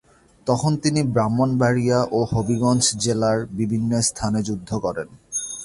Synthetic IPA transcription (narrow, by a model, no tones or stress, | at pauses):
t̪ɔkʰont̪inibɾamːonbaɾijaʔohobiɡɔnt͡ɕʰd͡ʑelaɾbibʱinːost̪ʰaned͡ʑud̪ʱːokɔɾen